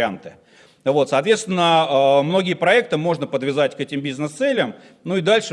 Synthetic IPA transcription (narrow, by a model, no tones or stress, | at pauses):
ɪant̪ɨ | vo̞t̪sɐːt̪vʲest̪vʲɪnːəəmno̞ɡʲɪjəpɾɐɛkt̪ɨmo̞ʐnəpəd̪vʲɪzatʲkɛtʲɪmbʲiznɨst̪sɛlʲəm | nuɪd̪alʲʂɨ